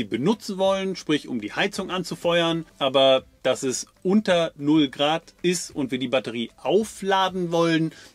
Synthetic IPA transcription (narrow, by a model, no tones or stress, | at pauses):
iːbənʊt͡sn̩vɔlənʃpʁ̥ɪçʊ̰mdiːhaɪt͡sʊŋʔant͡sufɔʏɐnʔaːbɐd̥asɛsʔʊntɐnʊlɡʁaːtɪstʊntv̥iːɐdiːbatəʁ̞iːʔaʊflaːdn̩vɔlən